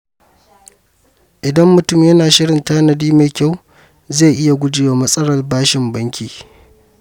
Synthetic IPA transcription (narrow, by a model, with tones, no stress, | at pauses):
ʔɪ˨dɐ˦mːʊ˨tʊ˦mjɐ˦naː˨ʃɪ˦ɽɪ˨ntaː˦nɐ˨diː˦ma˨kʲa˦˨w | zeː˦˨ʔɪ˦ja˨ɡʷʊ˦d͡ʒɪː˦˨waː˨mɐ˦sʼɐ˦ɽɐ˨rbaː˦ʃɪ˨mbɐ˦ŋkʲʰiː˨